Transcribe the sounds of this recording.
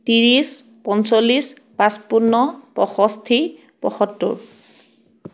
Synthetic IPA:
tiɹis | pɔnsolis | pãspunːɔpɔxɔstʰi | pɔ̰xɔtːʊ̰ɹ

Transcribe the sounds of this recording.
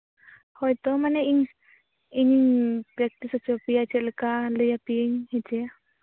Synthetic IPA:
hɔjt̪ɔmanɛiɲ | iɲiŋpɾɛk̚ʈisɔt͡ʃʰɔpijat͡ʃʰɛləkaləjapieɲhɛt͡ʃʰɛ

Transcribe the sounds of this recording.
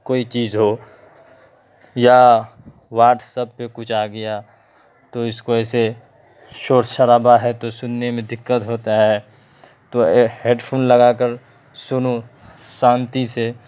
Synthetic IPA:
koːit͡ʃiːzɦo | ja | waːʈʰsəb̚pekʊt͡ʃʰaːɡəja | t̪oɪskoɛːse | ʃoːɾʃəɾaːbaɦɛt̪osʊnːemẽd̪ɪkːət̪ɦoːt̪aɦɛ | t̪oɦeːɖpʰoːnlɐɡakəɾ | sʊno | sãːnt̪ise

